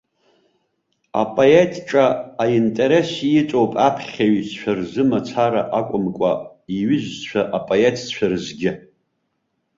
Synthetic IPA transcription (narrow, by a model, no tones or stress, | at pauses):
a̰pʼoetʰʼʈ͡ʂʼaːintʼe̞ɾe̞sjɪt͡sʷʼo̞wpʼapʰχʲaɥst͡ʃʷᶣʰarzɨmat͡sʰaɾaʔakʷʼʊmkʷʼa̰ | iɥɪzt͡ʃʷʰaʔapʼoe̞tʰt͡ɕʷʰarɨzɡʲɪ